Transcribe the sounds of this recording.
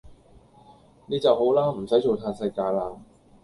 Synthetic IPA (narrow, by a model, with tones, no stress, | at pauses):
niː˥t͡sɐ˨who˨˥wlaː˥m̩˨˩sɐ˨˥jt͡ʃo˨˧wt̪ʰaː˧nsɐ˧jkaː˧jlaː˧